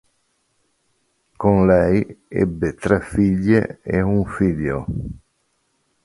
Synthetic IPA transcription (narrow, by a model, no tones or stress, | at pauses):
konlɛjɛ̰bːet̪ɾɛfiʎːḛeuɱfiʎːo̰